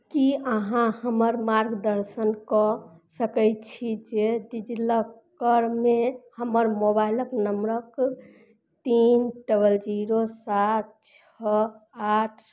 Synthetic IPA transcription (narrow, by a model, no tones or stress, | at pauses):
kiəɦãhəməɾmaɾɡd̪əɾsənkɔsəkət͡ʃʰid͡ʒeɖid͡ʒiləkəɾmehəməɾmobailəpnəmɾək | t̪inɖəbəld͡ʒiɾosat̪̚t͡ʃʰɔ | aʈʰ